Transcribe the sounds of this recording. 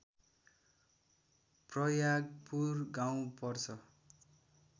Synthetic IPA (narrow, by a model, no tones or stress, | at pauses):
prʌjaɡpurɡaw̃pʌrt͡sʰʌ